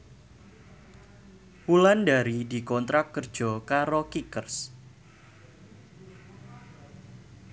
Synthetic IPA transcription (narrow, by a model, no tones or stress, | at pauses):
wulandaɾidi̤kɔnt̪ɾak̚kərd̥ʒ̥ɔ̤kaɾokikərs